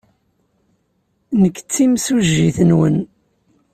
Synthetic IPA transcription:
nəkːt͡sːimsuʒːiθənwən

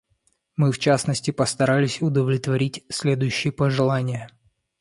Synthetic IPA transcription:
mɨft͡ɕasnəsʲtʲɪpəst̪ɐɾalʲɪsʲʊd̪əvlʲɪt̪vɐɾʲitʲsʲlʲe̞d̪ʊjʉɕːɪjəpəʐɨlˠanʲɪjə

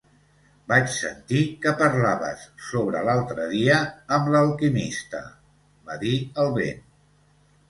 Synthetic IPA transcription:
bat͡ʃsə̰nt̪ikəpəɾlaβə̰sːoβɾə̰lalˠt̪ɾəðiəːmləlˠkimist̪ə̰ | baðiəlˠβḛn

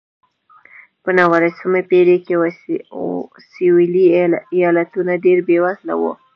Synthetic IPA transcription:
pənawaɾasumepeɽekew | siwiliijɑlat̪unaɖeɾbewasla̰wo̰

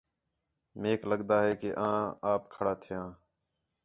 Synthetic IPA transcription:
meːkləɠd̪aːɦɛːkeːʔãːaːpkʰəɽaːt̪ʰɪjãː

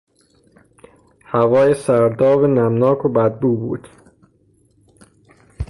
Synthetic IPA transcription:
hævɒːjesæɾd̪ɒːvenæmnɒːkʰobæd̪̚buːbuːd̪̥

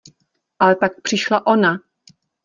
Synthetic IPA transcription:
ʔalɛt̪ak̚pr̥ɪʃlaʔo̞na

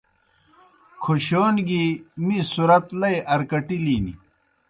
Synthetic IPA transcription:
kʰoɕoːnɡimisuɾɐt̪lɐjʔɐɾkɐʈiliːnḭ

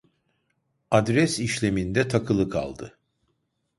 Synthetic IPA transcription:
ad̪ɾɛsiʃlʲe̞mind̪ɛt̪ʰakʰɯlˠɯkʰa̰lˠd̪ɯ

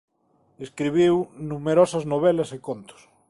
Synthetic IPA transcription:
eskɾiβ̞iwnũmeɾɔsɐznoβ̞elɐsɪkont̪ʊ̥s

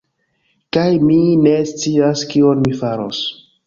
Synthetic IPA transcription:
kajmine̞st͡siaskio̞nmifaɾo̰s

